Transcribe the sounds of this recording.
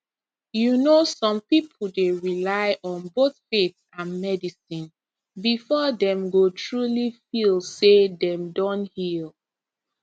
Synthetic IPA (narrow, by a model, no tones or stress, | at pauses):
junosɔ̃mpipʰl̩ˠdeɹilaɪʔɔ̃nboθfetsãnmɛdisĩn | bifɔdɛ̃mɡotʰɹulifilˠsedɛ̃mdɔ̃nthil